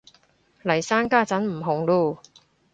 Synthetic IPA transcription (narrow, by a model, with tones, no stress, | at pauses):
lɐ˨˩jsaː˥nkaː˥t͡sɐ˨˥nm̩˨˩ɦʊ˨˩ŋluː˧˩